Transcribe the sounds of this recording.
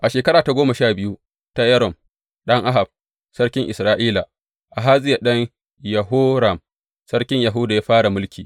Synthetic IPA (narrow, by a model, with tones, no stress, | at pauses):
ʔa˨ʃeː˨kɐ˦ɾaː˨ta˨ɡʷoː˦mɐ˨ʃaː˦˨bɪ˦ju˦ | ta˦jɐ˦ɾɔ˨m | ɗɐ˦ŋʔa˦ɦa˨b̥̚ | sɐ˦rkʲɪ˦ŋʔɪ˨sɾaː˦ʔiː˦la˨ | ʔa˨ɦaː˦zʼɪ˦ja˨ɗɐ˦ŋ | jɐ˨ɦʊ˦ɾa˨m | sɐ˦rkʲɪ˦ɲja˨ɦʊ˦da˨jaː˦ɸaː˦ɽa˨mʊ˦lkʲiː˨